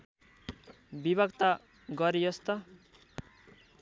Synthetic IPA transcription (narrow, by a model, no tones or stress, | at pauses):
bibʱʌkt̪a | ɡʌɾijʌst̪ʌ